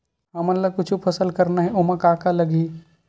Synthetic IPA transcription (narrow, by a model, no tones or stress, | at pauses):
ɦɐmənlɐkʊt͡ʃʰupʰɐsəlkɐɾnaɦɛʔomãkaːkalɐɡi